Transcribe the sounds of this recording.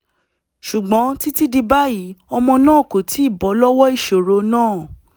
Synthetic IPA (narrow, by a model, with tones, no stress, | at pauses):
ʃu˨ɡ͡bɔ̃˨˦ti˦ti˦di˧ba˦ji˨˦ɔ˧mɔ̃˧nãː˦˨ko˨ti˨˦i˦˨bɔ˨˦lɔ˦wɔ˦i˦˨ʃo˨ɾo˨˦nãː˦˨